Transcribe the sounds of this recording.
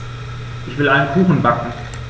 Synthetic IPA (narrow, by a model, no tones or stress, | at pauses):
ʔɪçv̥ɪlaɪnənkʰuːxn̩bakŋ̩